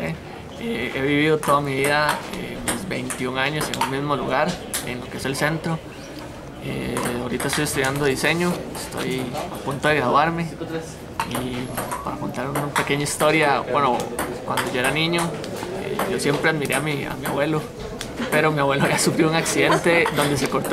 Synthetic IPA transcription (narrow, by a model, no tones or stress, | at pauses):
e | ee̞βiβiðot̪o̞ðamiβiðaḛmizβe̞̰jnt̪juŋaɲo̞seŋunmizmoluɣaɾḛnlo̞keese̞lse̞nt̪ɾo | ḛaoɾit̪aest̪ojest̪uðjand̪oise̞ɲoest̪o̞̰japunt̪oðeɣɾaðwaɾme̞ | ipaɾako̞nt̪aɾunape̞ke̞ɲaist̪o̞ɾjabwenokwand̪oʝoeɾanĩɲo | ḛʝo̞sjempɾeaðmiɾe̞amia̰mia̰βwe̞lo | pe̞ɾomiaβwe̞lojasufɾjouŋaksiðe̞nt̪ed̪o̞nd̪e̞s̬ekoɾt̪